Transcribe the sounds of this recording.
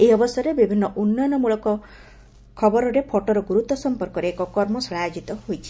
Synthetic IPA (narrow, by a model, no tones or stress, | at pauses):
eɔbɔsɔɾebibʱinːɔʔunːɔjɔnɔmuɭɔkɔ | kʰɔbɔɾɔɾepʰɔʈɔɾɔɡuɾut̪ɔsɔmpɔɾkɔɾeekɔkɔɾmɔsɭajd͡ʒit̪ɔɦojt͡ʃʰi̥